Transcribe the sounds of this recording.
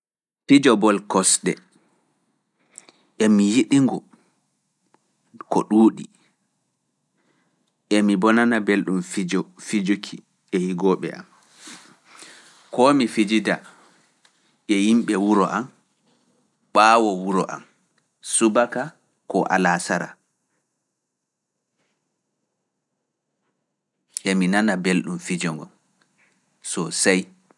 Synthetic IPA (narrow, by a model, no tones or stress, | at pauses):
fid͡ʒɔbɔlkɔsɗɛ̰ | ɛmijiɗiŋɡɔ | kɔɗuːɗi | ʔɛmibɔnanabelɗumfid͡ʒɔfid͡ʒukʰi | ɛjiɡɔːɓɛ̰a̰m | kɔmifid͡ʒida | ɛjimɓɛwuɾɔʔam | ɓawɔwuɾɔ̰ʔa̰m | subaka | kɔʔa̰lasaɾa̰ | ʔɛminanabelɗumfid͡ʒɔŋɡɔ̰n | sɔsaj